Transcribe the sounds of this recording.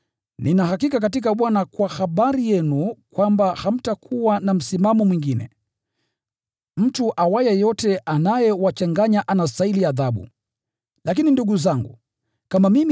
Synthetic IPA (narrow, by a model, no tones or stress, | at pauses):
nʔinaɦakikak̬atik̬aɓwanakwahaɓaɾijɛnukwambaham̩takʰuwanam̩simamɔmwiŋɡinɛ̰ | m̩tuʔawajɛjɔtɛʔanajɛwat͡ʃaŋɡaɲaʔanastailiaðaɓṵ | lak̬ininduɡuzaŋɡṵ | kamamimi